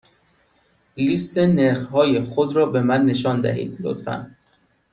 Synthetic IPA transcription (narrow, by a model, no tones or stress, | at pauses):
list̪ʰeneɾχhɒːjexod̪ɾɒːbe̞mænːe̞ʃɒːnd̪æ̰ɦḭːd̪lo̰t̪fæ̰n